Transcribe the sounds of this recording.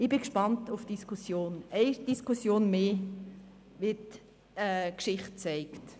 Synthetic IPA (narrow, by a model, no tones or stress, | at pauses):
ɪb̥ɪkʃpɑntufd̥iskʰusjoːnɛɪd̥iskʰusjoːnmeː | ʋɪt | ɛːkʃɪχt̚t͡sɛɪkt